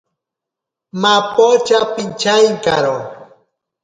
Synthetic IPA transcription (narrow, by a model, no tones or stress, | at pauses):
mapot͡ʃapint͡ʃajŋkaɾo